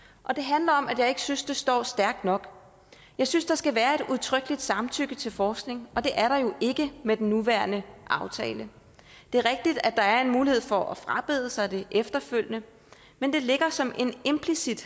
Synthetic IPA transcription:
ʔɒ̽d̥e̝ɦænlɐɒ̽mʔæd̥jɑ̈ɪe̝ɡ̥əsynsd̥e̝sd̥ɒ̰ːsd̥æɐɡ̥̚d̥nɒ̽ɡ̥ | jɑ̈ɪsynsd̥ɑ̈sɡ̥æʋæːɐe̝duðˠt͡sʰʁœɡ̥lid̥sɑ̈mt͡sʰyɡ̥ət͡sʰe̝lfɒːsɡ̥ne̝ŋɒ̽d̥e̝ʔæɐɾɑ̈jo̝ʔe̝ɡ̥əmed̥enːuʋæɐnəʔɑ̈ʊt͡sʰɛ̰ːlə | d̥e̝æɐʁɛɡ̥̚d̥id̥æd̥ɑ̈æɐe̝nmuːlihe̝ð̰ˠfɒ̽ʔɒfʁɑ̈b̥e̝ð̞ˠəsɑ̈ɪd̥e̝ʔefd̥ɐføl̰jnə | mend̥e̝le̝ɡ̥ɐsɒ̽mʔe̝ne̝mpʰlisid̥

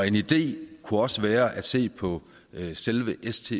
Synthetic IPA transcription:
e̝nid̥e̝̰ːkʰuɒ̽səʋæːɐʔæd̥se̝̰ːpʰɒ̽ | selʋəʔest͡sʰḛ

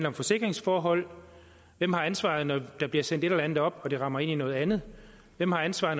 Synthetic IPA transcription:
nl̩ɒ̽mfɒ̽se̝ɡ̥ʁeŋsfɒːɦɒ̽l̰ | ʋem̰hɑ̈ænsʋɑ̰̈ð̞̩ˠnɒd̥ɑ̈b̥liɐsen̰d̥e̝ɾelænð̩ˠɒ̽b̥ɒ̽d̥e̝ʁɑ̈mɐe̝ninɔ̽ːð̩ˠænð̞̩ˠ | ʋem̰hɑ̈ænsʋɑ̈ː

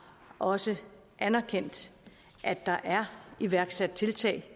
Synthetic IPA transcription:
ʔɒ̽sə | ʔænæɐkʰen̰d̥ | ʔæ̥ɑ̈ʔæɐiʋæɐɡ̥sæd̥̚t͡sʰe̝lt͡sʰɛ̰ːɪ

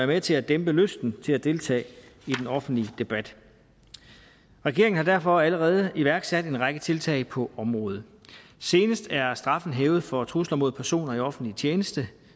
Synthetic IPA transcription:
æɐmet͡sʰe̝læd̥emb̥əløsd̥n̩t͡sʰe̝læd̥e̝lt͡sʰɛ̰ːid̥enɒ̽fn̩d̥lid̥e̝b̥æd̥ | ʁɛɡ̥e̝ɐeŋn̩hɑd̥æɐfɒ̽æləʁɛːð̞ˠiʋæɐɡ̥sæd̥e̝nʁɑ̈ɡ̥ət͡sʰe̝lt͡sʰɛ̰ɪpʰɒ̽ʔɒ̽mʁɔ̽ːð̞̩ˠse̝ːnəsd̥æɐsd̥ʁɑ̈fn̩ɦeːʊð̩ˠfɒ̽t͡sʰʁuslɐmo̝ð̞̰ˠpʰæɐso̝̰ːnɐiɒ̽fn̩d̥lit͡sʰjeːnəsd̥ə

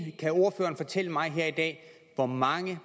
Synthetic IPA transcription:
kʰæo̝ɐfø̰ːɐːnfɒ̽t͡sʰel̰əmɑ̈ɪɦeɐ̰id̥ɛ̰ː | ʋɒmɑ̈ŋə

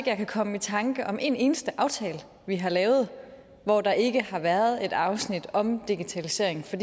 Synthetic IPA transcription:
ɡ̥jɑ̈ɪkʰækʰɒ̽məit͡sʰɑ̈ŋɡ̥əʔɒ̽mʔe̝ne̝ːnəsd̥əʔɑ̈ʊt͡sʰɛːl | ʋiɦɑ̈lɛːʊð̞̩ˠ | ʋɒd̥ɑ̈ʔe̝ɡ̥əhɑ̈ʋæːɐð̞̩ˠe̝d̥ɑ̈ʊsnid̥ɒ̽md̥iɡ̥it͡sʰælise̝̰ɐ̰eŋn̩fɒ̽d̥i

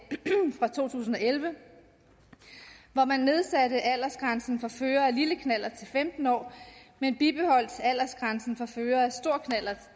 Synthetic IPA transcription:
fʁɑ̈t͡sʰo̝̰ːt͡sʰṵːs̬n̩ɒ̽elʋə | ʋɒmænːe̝ð̞ˠsæɾəʔæl̰ɐsɡ̥ʁänsn̩fɑ̈føːɐæliləkʰnæl̰ɐt͡sʰe̝lfemd̥n̩ɒ̰ːmenb̥ib̥e̝hɒ̽l̰d̥ʰæl̰ɐsɡ̥ʁɑ̈nsn̩fɑføːɐæsd̥o̝ɐ̰kʰnæl̰ɐ

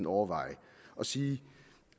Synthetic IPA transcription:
n̩ɒʊɐʋɑ̈ɪʔɒ̽siː

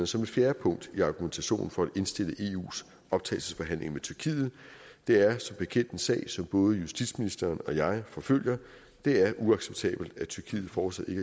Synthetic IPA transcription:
sɒ̽me̝d̥fjæːɐpʰɔ̽ŋ̰d̥iɑ̈ːɡ̥ument͡sʰæɕo̝̰ːnn̩fɒ̽æd̥e̝nsd̥e̝l̰əʔe̝ːṵːs | ɒ̽b̥t͡sʰɛ̰ːlsəsfɒɦæn̰le̝ŋəmet͡sʰyɐkʰḭːð̞̩ˠ | d̥e̝æɐsɒ̽mb̥e̝kʰen̰d̥ensɛ̰ːɪsɒ̽mb̥ɔ̽ːð̞ˠəjusd̥id̥sminisd̥ɐːnɒ̽jɑ̈ɪfɒ̽føl̰jɐ | d̥e̝æɐʔuɑ̈ɡ̥seb̥̚t͡sʰɛ̰ːb̥l̩d̥æt͡sʰyɐkʰḭːð̞̩ˠfɒːd̥sæð̥ˠe̝ɡ

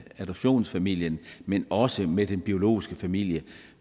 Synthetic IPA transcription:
æd̥ɒb̥ɕo̝̰ːnsfæmil̰jənmenɒ̽səmed̥enb̥io̝lo̝̰ːisɡ̥əfæmil̰jə

